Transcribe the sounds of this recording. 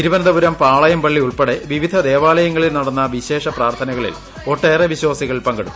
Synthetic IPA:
iɾuʋɐnɐðɐbuɾɐmpaːɭɐjɐmpɐɭːiuɭpeɽeʋiʋid̪ʱɐd̪e̞ːʋaːlɐjɐŋːɐɭilnɐɽɐnːɐʋiɕe̞ːʂɐpraːrt̪ʰɐnɐɣɐɭḭl | o̞ʈːeːreʋiɕwaːsiɣɐɭilpɐŋɡɐɽumː

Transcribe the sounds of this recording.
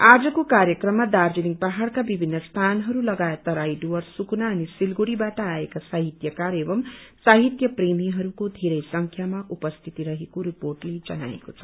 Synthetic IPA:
ad͡zʌkokaɾjʌkrʌmːad̪ard͡ziniŋ̚paɦaɽkabibʱinːʌst̪ʰanɦʌɾulʌɡaet̪ːʌɾajɖuwʌrsuknaʌnisilɡuɽibaʈʌaekasaɦit̪jʌkaɾebʌmsaɦit̪jʌpremiɦʌɾukod̪ʱeɾʌjsʌŋkʰjamaʔupʌst̪ʰit̪iɾʌɦekoɾiporʈled͡zʌna̰ḛkot͡sʰʌ̥

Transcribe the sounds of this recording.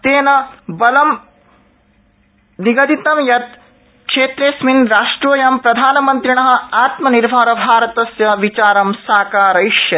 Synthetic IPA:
t̪eːnɐbɐlɐm | niɡɐd̪it̪ɐmjɐt̪ | kʂeːt̪ɾesminɾaːʂʈɾuʋɐjɐmpɾɐd̪ʱaːnɐmɐnt̪ɾiɳɐɦɐ̆aːt̪mɐniɾbʱaːɾɐbʱaːɾɐt̪ɐsjɐʋit͡ʃaːɾɐmsaːkaːɾɐjʂjɐ

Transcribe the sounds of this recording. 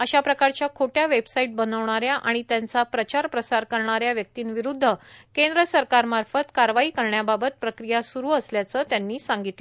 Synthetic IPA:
əɕapɾəkaɾt͡ɕjakʰoʈjaʋebsaiʈ̚bənəʋɳ̃aɾjaʔaɽ̃it̪jant͡sapɾət͡ɕaɾpɾəsaɾkəɾɳaɾjaʋjək̚t̪iːnʋiɾud̪ʱːəkend̪ɾəsəɾkaɾmaɾfət̪kaɾʋaiːkəɾɳjababət̪̚pɾəkɾijasuɾuːəsljat͡sət̪janːiːsãŋɡit̪lə

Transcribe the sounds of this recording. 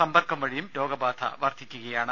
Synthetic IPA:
ɐmbɐrkːɐmʋɐɻijumlo̞ːɡɐbaːt̪ʰɐ̰ʋɐrt̪ʰikʲːuɣɐjaːɳɨ

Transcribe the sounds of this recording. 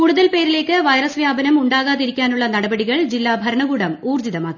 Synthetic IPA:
kuɽuðɐlpe̞ːɾile̞ːkːɨʋɐjɾɐsʋjaːbɐnɐmuɳɖaːɣaːðiɾikʲːaːnuɭːɐnɐɽɐbɐɽiɣɐɭd͡ʑilːaːbʱɐɾɐɳɐɣuːɽɐmuːrd͡ʑiðɐmaːk̪ːi

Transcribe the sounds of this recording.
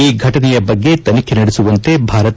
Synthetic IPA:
iːɡʱɐʈɐnɛjɐbɐɡːe̞t̪ɐnikʰenɐɽesuʋɐnt̪e̞bʱaːɾɐt̪

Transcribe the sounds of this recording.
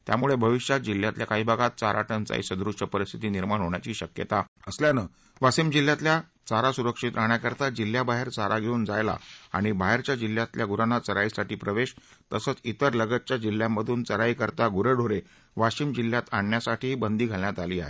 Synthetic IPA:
t̪ja̰muɭebʱəʋiɕjad͡ʑilːjat̪ljakaɦiːbʱaɡat̪̚t͡saɾʔa̰ʈənt͡sa̰ḭsəd̪ɾuʂʈəpəɾist̪ʰi̥t̪iːniɾmaɳɦoɳjat͡ɕiːɕəkjə̰t̪aəsljanə | ʋasiːmd͡ʑiljat̪lja | t͡saɾasuɾəkʂit̪ɾaɳjakəɾt̪ad͡ʑilːjabaɦeɾt͡saɾʔaɡʱeuːnd͡zajla̰a̰ɽ̃ibaɦeɾt͡ɕjad͡ʑilːjat̪ljaɡuɾanat͡səɾaisaʈiːpɾəʋeɕ | t̪əsəːt͡sit̪əɾləɡət̪̚t͡ɕjad͡ʑilːjamːəd̪ʱuːnt͡səɾaikəɾt̪aɡuɾəɖʱoɾe | ʋaɕiːmd͡ʑilːjat̪aɳːjasaʈʰiːbənd̪iːɡʱaljat̪aliːa̰ɦḛ

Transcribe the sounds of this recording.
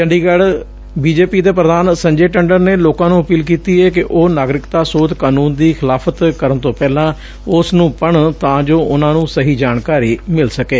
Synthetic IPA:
t͡ʃəɳɖiːɡəɽ | biːd͡ʒeːpiːd̪eːp̬ɾəd̪aːnsə̃ɲd͡ʒeːʈəɳɖəɾneːloːkãːnũːəpiːlkiːt̪iːɛːk̬ɪʔoːnaːɡɾɪkt̪aːsoːd̪kaːnũːnd̪iːxʰɪlaːfʰət̪kəɾənt̪õːpɛːlãː | ʊsnũːpəɳt̪ãːd͡ʒoːʔʊnãːnũːsəɦiːd͡ʒaːnkaːɾiːmɪlsəkeː

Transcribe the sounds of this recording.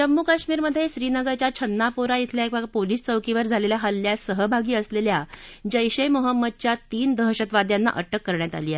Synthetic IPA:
d͡ʑəmːukaɕmiːɾməd̪ʱːjeɕɾiːnəɡəɾt͡ɕjat͡ɕʰənːapuɾait̪ʰljaekʋapoliːst͡səwkiʋəɾd͡zʱaleljaɦəlːjasəɦəbʱaɡiːəsleljad͡ʑəjɕəjmoɦəmːəd̪̚t͡ɕjat̪iːnd̪ʱəɦɕət̪ʋad̪janːa̰ʔəʈʰəkːəɾɳjat̪a̰liːae

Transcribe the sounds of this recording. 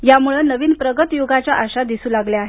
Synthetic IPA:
jamuɭənəʋiːnpɾəɡət̪joɡat͡ɕjaʔaɕad̪isuːlaɡljaːɦe

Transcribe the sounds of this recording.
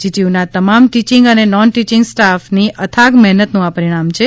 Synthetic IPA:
d͡ʒiʈiunat̪əmamʈit͡ʃĩŋɡənenɔnʈit͡ʃiŋɡsʈafniʔət̪ʰaɡmɛɦnət̪nũapəɾiɽ̃amt͡ʃʰe

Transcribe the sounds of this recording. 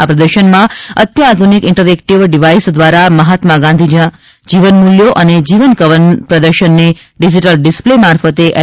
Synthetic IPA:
apɾəd̪əɾʃənmãət̪jəad̪ʱunikɪɳʈəɾɛkʈiʋɖiʋaisd̪ʋaɾaməɦat̪mãɡãnd̪ʱid͡ʒã | d͡ʒiʋənmuljoʔəned͡ʒiʋənkəʋənpɾəd̪əɾʃənːe | ɖid͡ʒiʈəlɖɪsplemaɾfət̪eʔɛ

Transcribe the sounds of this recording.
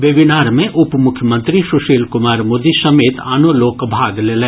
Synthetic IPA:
ʋeʋɪnaːɾmẽʔʊpmʊkʰjəmə̃nt̪ɾiʃʊʃeːlkʊmaːɾmoːd̪isɐmeːt̪aːnoloːkbʱaːɡleːlɛː

